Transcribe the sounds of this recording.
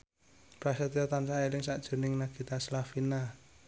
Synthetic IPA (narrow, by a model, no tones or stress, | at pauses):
pɾasɛt̪ɔt̪ansaelɪŋsaʔd̥ʒ̥o̤nɪŋnaɡ̥i̤t̪aslafina